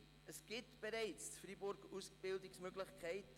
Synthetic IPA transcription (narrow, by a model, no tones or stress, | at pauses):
əsɡ̥ɪtb̥əɾɛɪt͡st͡sfribʊɾɡusb̥ɪldɪsmøɡlɪχkʰæɪt